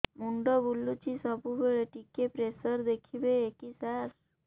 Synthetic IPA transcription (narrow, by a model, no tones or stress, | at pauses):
muɳɖɔbulːut͡ʃisɔbubeɭeʈikepɾesəɾd̪ekʰibeːkisaɾ